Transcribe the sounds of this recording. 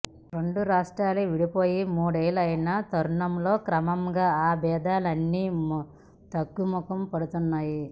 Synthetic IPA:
ɾe̞ɳɖuɾaːʂʈɾaːliʋiɽipoːjimuːɽeːlɐjnat̪ɐɾuɳɐmlo̞ːkɾɐmɐmɡaːaːbɛːd̪aːlɐnːiː | t̪ɐɡːumɔkɐmpɐɽut̪unːaːji

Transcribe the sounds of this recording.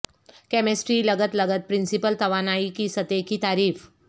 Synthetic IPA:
kɛːmesʈɾilɐɡət̪lɐɡət̪̚pɾɪ̃nsɪpəlt̪ɐʋaːnaːikisɐt̪ekit̪aːɾiːf

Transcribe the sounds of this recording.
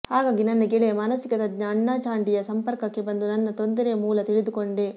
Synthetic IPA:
haːɡaːɡinɐnːɐɡeɭɛjɐmaːnɐsikɐd̪ɐɡɲɐːɳːaːt͡ʃaːɳɖijɐsɐmpɐɾkɐkːe̞bɐnd̪unɐnːɐt̪o̞nd̪ɐɾemuːlɐt̪iɭid̪uko̞ɳɖe

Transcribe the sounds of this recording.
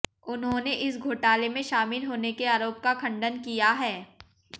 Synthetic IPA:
ʊnɦõneʔɪsɡʱoːʈaːlemẽʃaːmɪlɦoːnekeaːɾoːp̚kakʰɐ̃ɳɖənkijaɦɛː

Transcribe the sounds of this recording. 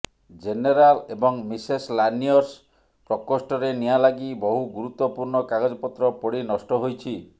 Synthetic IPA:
d͡ʒeneɾalebɔŋmiseslaniɔɾs | pɾɔkɔsʈɔɾenijalaɡibɔɦuɡuɾut̪wːɔpuɾɳɔkaɡɔd͡ʒɔpɔt̪ɾɔpɔɽinɔsʈɔɦojt͡ʃʰi

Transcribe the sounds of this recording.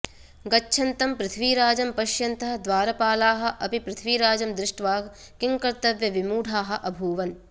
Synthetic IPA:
ɡɐt͡ʃːʃʰɐnt̪ɐmpɾɪt̪ʰʋiːɾaːd͡ʒɐmpɐʃjɐnt̪ɐɦɐ̆d̪ʋaːɾɐpaːlaːɦɐ̆ʔɐpipɾɪt̪ʰʋiːɾaːd͡ʒɐmd̪ɾɪʂʈʋaː | kiŋkɐɾt̪ɐʋjɐʋimuːɖʱaːɦɐ̆ʔɐbʱuːʋɐn

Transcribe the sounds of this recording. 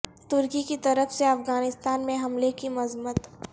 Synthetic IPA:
t̪ʊɾkikit̪ɐɾəfseɐfɣaːnɪst̪aːnmẽɦɐmlekimɐzmət̪

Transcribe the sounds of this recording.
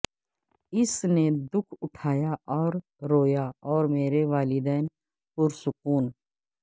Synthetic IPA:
ɪsned̪ʊkʰʊʈʰaːjaʔɔːɾ | ɾoːjaɔːɾmeːɾeʋaːlɪd̪ɛːn | pʊɾsʊkuːn

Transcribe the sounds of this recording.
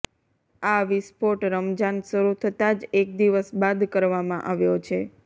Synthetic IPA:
aʋispoʈɾəmd͡ʒansəɾut̪ʰət̪ad͡ʒek̚d̪iʋəsbad̪kəɾʋamãʔaʋjot͡ʃʰe

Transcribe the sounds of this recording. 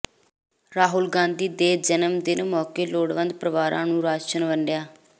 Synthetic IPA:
ɾaːɦʊlɡãːnd̪iːd̪eːd͡ʒənəmd̪ɪnmɔːkeːloːɽʋənd̪pɾəʋaːɾʔã̰ːnũːɾaːt͡ʃənʋəɳɖjaː

